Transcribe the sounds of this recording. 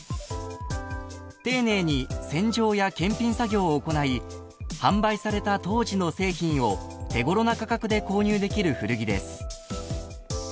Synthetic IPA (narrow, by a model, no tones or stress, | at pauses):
t̪e̞ːne̞ːɲ̟isẽ̞ɲ̟d͡ʑo̞ːjakẽ̞mpʲĩɰsaɡʲo̞ːko̞nai | hãmbaisaɾe̞t̪at̪o̞ːʑino̞se̞ːçĩɰ̃o̞t̪e̞ɡo̞ɾo̞nakakakɯ̟d̪e̞ko̞ːɲ̟ɨːd̪e̞kʲiɾɯ̟ɸɯ̟ɾɯ̟ɡʲid̪e̞sɨ̥